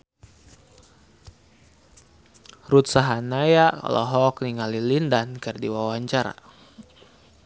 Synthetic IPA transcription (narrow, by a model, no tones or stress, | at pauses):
ɾut̪̚saɦanajaka̰lo̰ɦɔk̚niŋalilindankərdiwawaɲt͡ʃaɾa̰